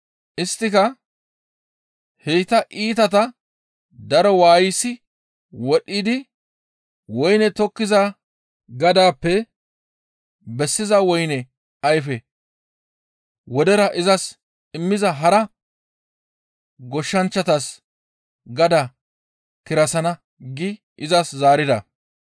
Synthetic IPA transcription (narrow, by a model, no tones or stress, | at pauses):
ʔɪst̪ːɪkɐ | hejt̪ɐʔiːt̪ɐt̪̬ɐ | d̪ɐɾɔwaːjɪsːɪ | wɔɗːid̪ɪ | wɔjnɛt̪ɔkːɪzɐ | ɡɐd̪aːpːɛ | bɛsːɪzɐwɔjnɛ | ɐjfɛ | wɔd̪ɛɾɐʔɪzɐs | ɪmːɪzɐɦɐɾɐ | ɡɔʃːɐnt͡ʃːɐt̪ɐs | ɡɐd̪ɐ | kɪɾɐsɐnɐ | ɡɪ | ʔɪzɐszaːɾɪd̪ɐ